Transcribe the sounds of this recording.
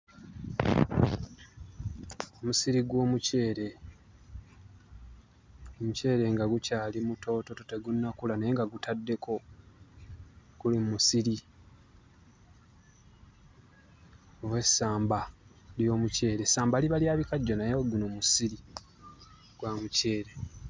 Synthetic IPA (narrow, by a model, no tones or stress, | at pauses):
o̞musiɾiɡwo̞ːmuce̞ːɾe̞ | omuce̞ːɾe̞ŋɡaɡucaːlimuto̞ːto̞tote̞ɡunːakulanejeŋɡaɡutʰadːe̞kʰo̞ | kulimumusiɾi | oβwe̞sːaːmba | ljo̞ːmuce̞ːɾe̞saːmbaliβaljaːβikaɟːonajoɡunomusiɾi | ɡ̥wamuce̞ːɾe̞